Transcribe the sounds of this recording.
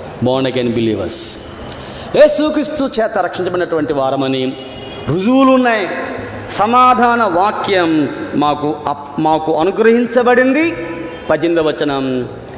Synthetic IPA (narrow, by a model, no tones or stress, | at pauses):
bɔːɾnɖɐkɐnbilḭːʋɐ̰ɾs | jeːsukɾist̪ut͡ʃɛːt̪ɐɾɐkʂiɲt͡ʃɐmɐinɐʈuʋɐɳʈiʋaːɾɐmɐni | ɾud͡ʒulunːɐj | sɐmaːd̪ʱaːnɐʋaːkjɐmːaːku | maːkuɐnuɡɾɐɦiɲt͡ʃɐbɐɽind̪i | pɐd͡ʒind̪ɐʋɐt͡ʃːɐnɐm